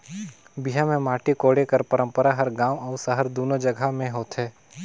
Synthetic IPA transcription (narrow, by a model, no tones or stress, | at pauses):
biɦamẽmaːʈikoːɽekɐɾpəɾə̃mpəɾaɦɐɾɡaːʋɔːʊsəɦəɾd̪oːnod͡ʒɐɡʱamẽɦoːt̪ɦɛː